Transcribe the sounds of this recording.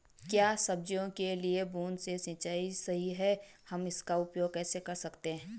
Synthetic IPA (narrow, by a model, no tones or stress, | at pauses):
kjaːsɐb̚d͡ʒjõkeliebuːnsesɪ̃ːt͡ʃaːisɐɦiɦɛhɐmɪskaʊpjoːɡ̚kɛːsekɐɾsɐkt̪eɦɛ̃ː